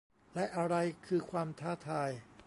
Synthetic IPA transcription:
lɛ˦˥ʔa˧ɾa˧jkʰɯː˧kʰwaː˧mt̪ʰaː˥˩t̪ʰaː˧j

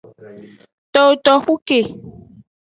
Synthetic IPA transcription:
t̪ɔ˦o˨t̪ɔ˨xu˦ke˨

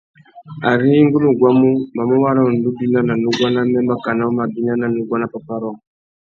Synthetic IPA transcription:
a˨ɾi˦ŋɡu˦lu˦˨ɡwa˦mu˦ma˨mu˦wa˦ɾɔ˦˨n˨du˦di˦na˦na˨nu˦ɡwa˦na˦mɛ˦mba˦˨ka˨na˦u˦ma˨ɡi˦na˦na˨nu˨˦ɡwa˦na˦pa˨pa˦ɾɔ˦˨

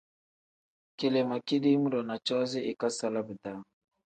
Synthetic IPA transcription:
ke˨le˨ma˨ki˦di˦mu˦ɾɔ˨na˨t͡ʃɔ˦zi˦i˨ka˦sa˦la˦bə˨da˦

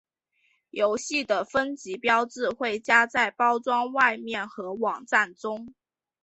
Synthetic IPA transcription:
jo˧˥ʊɕi˥˩d̪ə˩fə˦nt͡ɕi˨˥pjɑ˥ʊt͡sɹ̩˥˧xwe˥˩ɪt͡ɕja˥t͡sa˥˩ɪpɑ˥ʊt͡swɑ˥ŋwa˥˧ɪmjɛ˥˩nxɤ˧˥wɑ˨˩ŋʈ͡ʂa˥˩nʈ͡ʂʊ˥ŋ

